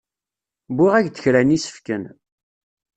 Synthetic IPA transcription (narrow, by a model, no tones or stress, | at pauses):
biʁæʝd̪əçɾænisə̥fkən